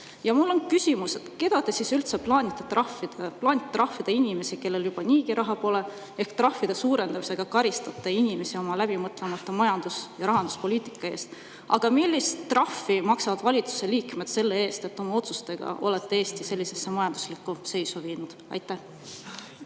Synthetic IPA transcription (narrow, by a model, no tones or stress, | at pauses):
jɑmulːo̞nkysʲimuse̞t̪ke̞d̪ɑt̪esisylt̪seplɑːnʲit̪ːˑɑt̪rɑfːid̪̥eplɑːnit̪ːrɑhfid̪̥einʲime̞sike̞lːe̞ljub̥ɑniːɡiɾʔɑɦɑpo̞ːle̞ | e̞hkt̪rɑhːid̪̥e̞suːɾe̞nd̪ɑmise̞ɡ̥ɑkɑɾist̪ɑt̪ːˑɑinʲime̞sio̞mɑlæb̥imɤt̪ˑle̞mɑt̪ːˑɑmɑjɑnd̪̥usjɑɾɑɦɑnd̪̥uspo̞lʲiːt̪ˑikːˑɑe̞ːst̪ | ɑ̰ɡ̥ɑmilʲːist̪ːrɑfːimɑksɑvɑd̪̥vɑlʲit̪su̥se̞liːkme̞d̪̥se̞lːe̞e̞ːst̪e̞t̪ːo̞mɑo̞t̪su̥st̪e̞ɡ̥ɑ̰ʔo̞̰le̞t̪ːe̞e̞ːst̪ise̞lʲːise̞sːemɑjɑnd̪̥uslikːˑuse̞jsuviːnud̪̥ɑ̰jt̪ːˑæ